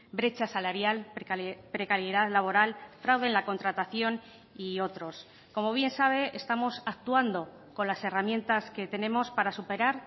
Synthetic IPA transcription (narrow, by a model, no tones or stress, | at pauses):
bɾe̞t͡ʃasalaɾjalpɾekaɾjeðaðlaβo̞ɾalfɾawðe̞nlako̞nt̪ɾat̪aθjo̞n | io̞t̪ɾo̞s | ko̞mo̞βje̞nsaβ̞e̞ʔest̪amo̞sak̚t̪uand̪o̞ | ko̞nlase̞ramjẽ̞nt̪aske̞t̪e̞nẽ̞mo̞spaɾasupe̞ɾaɾ